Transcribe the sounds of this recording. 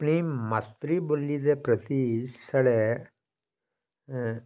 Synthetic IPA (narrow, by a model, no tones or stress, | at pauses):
pːɳimɐt̪ːɾibolːid̪epɾɐt̪isɐɽe